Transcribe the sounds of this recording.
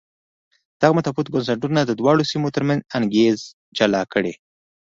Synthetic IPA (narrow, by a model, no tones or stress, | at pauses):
d̪̥aɣamat̪aput̪̚ɡʊns̬aʈunad̪əd̪wɑɽosimot̪əɾmanzaŋɡez | d͡ʒalɑkəɽḛ